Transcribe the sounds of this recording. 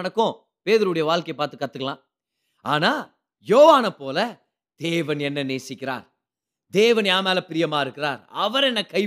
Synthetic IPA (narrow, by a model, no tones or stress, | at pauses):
ɐnɐkːʊ̃ | peːðɯɾɯɽɐjɐʋaːɭkɐjɐpːaːɾt̪ɯ̥kːɐt̪ːɯkːɐlãː | aːnaː | joːʋaːnɐpːoːlɐ | d̪̥eːʋɐnɛnːɐneːsɪkʲːɪɾa̰ːɾ | d̪eːʋɐnjaːmaːlɐpɪɾɪjɐmaːɪɾɯkːɪɾa̰ːɾɐ̰ʋɐɾɛnːɐkɐɪ